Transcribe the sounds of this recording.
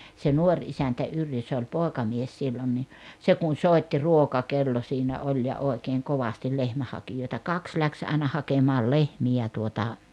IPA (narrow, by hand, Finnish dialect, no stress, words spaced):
se nuorʲ isæntæ yrjø se olʲ poˑekɑmies silːon ni se kun̞ soˑitːi ruokɑkelːo siːnæ olʲ jɑ oˑekeːŋ koʋɑstil lehmæhˑɑkijoˑetɑ kɑks læks ɑenɑ hɑkemɑːl lehmiæ tuotɑ